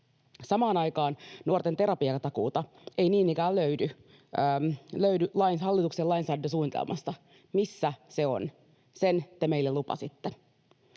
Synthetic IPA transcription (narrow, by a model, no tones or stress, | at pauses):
sɑmɑːnɑjkɑːnnuort̪ent̪e̞ɾɑpiɑkɑt̪ɑkṵːt̪ɑ | e̞iniːnikæːlløydy | mløydylɑinhɑlːit̪ukselɑinsɑːdːes̬uːnit̪ḛlmɑ̰st̪ɑ | misːæse̞o̰n | sent̪emeilːelupɑ̰sit̪ːe